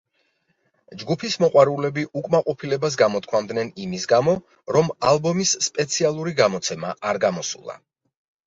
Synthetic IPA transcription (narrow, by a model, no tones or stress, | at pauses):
d͡ʒɡupʰismɔqʼwaɾulɛbiʔukʼmaqʼɔpʰilɛbas̬ɡamɔt̪̚ʰkʰmamd̪nɛnimisɡamɔ | ɾɔmalˠbɔmisːpʼɛt̪sʰialˠuɾiɡamɔt̪sʰɛmaʔaɾɡamɔsṵlˠa̰